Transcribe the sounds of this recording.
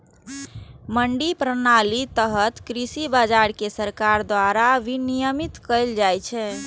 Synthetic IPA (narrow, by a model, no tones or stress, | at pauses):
məɳɖipɾənalit̪əɦət̪kɾisibad͡ʒaɾkesəɾkaɾd̪ʋaɾaʋinijəmit̪kəjld͡ʒajt͡ʃʰɛ